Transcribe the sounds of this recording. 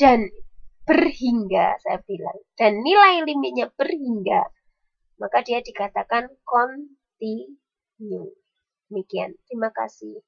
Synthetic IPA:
d̥anb̥ərhiŋɡa̰sajabila̰ŋd̥anːilajlimɪt̪̚ɲab̥ərɦiŋɡa | makadiadikat̪akankɔn | t̪i | ɲu | d̥əmikia̰nt̪ɾimaka̰sɪh

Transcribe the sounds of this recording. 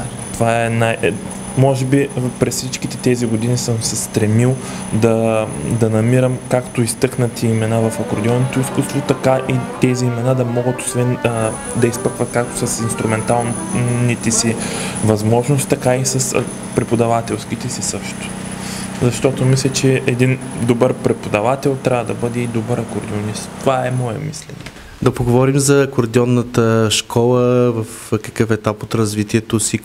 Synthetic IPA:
t̪ovaɛnaj | mɔʒɛbipɾɛsfsit͡ʃkit̪ɛt̪ɛziɡʊd̪inisəmsɛst̪ɾɛmilˠ | d̪ɐd̪ɐnɐmiɾəmkakt̪ʊist̪ɤknɐt̪ʰiːmɛnavɐfɐkoɾd̪ʲɛlˠnit̪ɛuskust̪vot̪ɐkaʔit̪ɛziːmɛnad̪ɐmɔɡət̪o̥svɛn | d̪ɐispəkvɐt̪̚kak̚t̪o̥sɐsinst̪ɾumɛnt̪alˠ | nit̪ɛsivɐzmɔʒnost̪t̪ːɐkaisɐs | pɾɛpod̪ɐvat̪ɛlˠskit̪ɛsisɤʃt̪ʊ̥ | zɐʃt̪ɔt̪omislʲɛt͡ʃɛʔɛd̪ind̪obəɾpɾɛpod̪ɐvat̪ɛlˠt̪ɾʲavəd̪ɐbɤd̪ɛid̪obəɾɐkoɾd̪ionist̪t̪ovaɛmɔɛ̰mḭslɛ̰nɛ | d̪ɐpoɡovɔɾimzɐkoɾd̪iɔnːət̪əʃkʰɔlˠəvɐf | kɐ̥kɤfɛt̪apot̪ɾɐzvit̪iɛt̪osi

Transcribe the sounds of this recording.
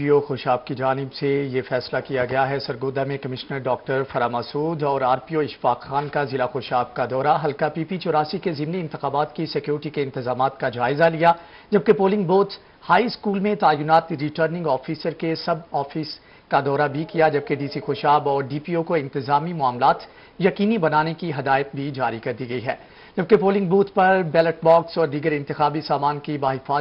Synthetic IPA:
pioxoːʃaːb̚kid͡ʒaːnɪbsejefɛːslakijaɡɐjaɦɛsɐɾɡoːd̪amẽkɐmɪʃnəɾɖɔːk̚ʈəɾfɐɾaːmɐsuːd̪ɔːɾaːɾpioɪʃfaːqxaːnkazɪlaxoːʃaːb̚kad̪ɔːɾaɦɐlkapiːpit͡ʃɔːɾaːsikezɪmniɪ̃nt̪ɪxaːbaːt̪kisɛkjuːɾɪʈikeɪ̃nt̪ɪzaːmaːt̪kad͡ʒaːɪzalija | d͡ʒɐb̚kepoːlɪ̃ŋɡboːts | haːiskuːlmẽt̪aːjʊnaːt̪ɾiːʈəːɾnɪ̃ŋɡɔːfiːsəɾkesɐbɔːfiːs | kad̪ɔːɾabʱikijad͡ʒɐb̚keɖiːsixoːʃaːbɔːɾɖiːpiokoɪ̃nt̪ɪzaːmimʊaːmlaːt̪ | jɐqiːnibɐnaːnekiɦɐd̪aːɪət̪̚bʱid͡ʒaːɾikɐɾd̪iɡɐiɦɛ̰ː | d͡ʒɐb̚kepoːlɪ̃ŋɡ̚boːt̪pɐɾbɛːləʈ̚bɔːksɔːɾd̪iːɡəɾɪ̃nt̪ɪxaːbisaːmaːnkibaːɦɪfaː

